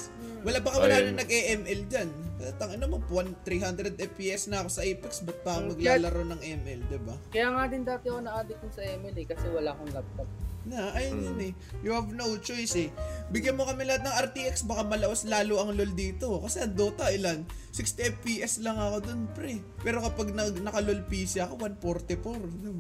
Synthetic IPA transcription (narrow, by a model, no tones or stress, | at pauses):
wɐlabɐkawɐlaːnɐŋnɐɡʔɛʔɛmʔɛld͡ʒankɐhɐt̪ɐŋɐnomopwant̪ɾiːɦand̪ɾɛd̪ɛpiʔɛsnɐɐko̞sɐʔɛjpɛksbɐt̪̚paɐŋmɐɡlaːlɐɾɐwnɐŋʔɛmʔɛld̪ɪbakɐjaːŋad̪ɪnd̪aːt̪ɪɐkonɐʔaːd̪ɪk̪ʊnsɐʔɛmɛlɛkɐsɛwɐlaʔkoŋlɐb̚t̪ɐb̚nɐʔɐjnjʊnɛjʊɐvnɐut͡ʃojsɛbɪɡjɐnmo̞kɐmɪlɐhat̪̚nɐŋʔɐɾt̪iːʔɛk̚sbɐkamɐlɐʔoslaːloʔɐŋlo̞ld̪iːt̪o̞kɐsɛɐŋd̪o̞ːt̪ɐʔɪlansikst̪iʔɛpiʔɛslɐŋɐko̞d̪o̞npɾɛpɛːɾo̞kɐpaɡ̚nɐɡnɐkɐlolpiːsɪɐko̞wanpoɾt̪ɛpoɾd̪ɪb